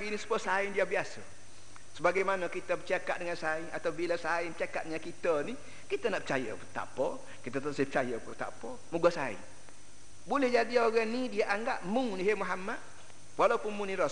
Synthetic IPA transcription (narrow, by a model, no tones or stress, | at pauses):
ɡinisə̥buasaɪndiabiasə | səbaɡajmanəkit̪əbət͡ʃakat̪̚dəŋansaɪŋat̪awbilasaɪnpət͡ʃakat̪̚ɲakit̪əni | kit̪ənaʔpə̥t͡ʃajə̰put̪a̰po | kit̪ət̪aʔsəpə̥t͡ʃajəput̪a̰po | muɡasaɪ̰n | bulɛhd͡ʒadioɣanidiaʔaŋɡaʔmʊŋniɦemuɦamat̪̚ | walawpunmunĩɾɔ